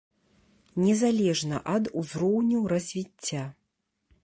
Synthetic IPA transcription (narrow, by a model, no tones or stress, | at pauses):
nʲɛzalʲɛʐnɐʔɐd̪uzɾɔwnʲuwɾɐzʲvʲit͡sʲːa